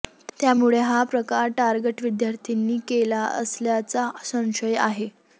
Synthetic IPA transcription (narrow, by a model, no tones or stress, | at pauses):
t̪jamuɭeɦapɾəkaɾʈaɾɡeʈʋid̪jaɾt̪ʰinːiːkelaə̰sljat͡sasə̃w̃ɕəja̰ɦe